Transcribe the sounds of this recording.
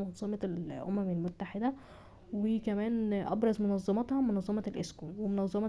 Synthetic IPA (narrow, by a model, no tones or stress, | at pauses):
ɑnzˤɑmɑlʔo̰mæmelmot̪ːaħed̪æ | wekæmæːnʔɑ̰bɾˤɑzˤmonɑzˤːɑmɑt̪hɑmonɑzˤːɑmɑlʔḛskuːnwemonɑzˤːɑmɑ